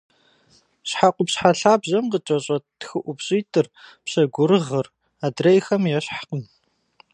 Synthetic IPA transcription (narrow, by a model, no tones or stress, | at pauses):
ɕħaqʷʊpɕħaɬaːbʑɐmqət͡ʃʼɐɕʼɐtʰxɨʔʷʊbɕʼiːtʰʼɨrpɕɐɡʷʊɾɨʁɐr | aːdrɐjxɐmjɛɕħaqəm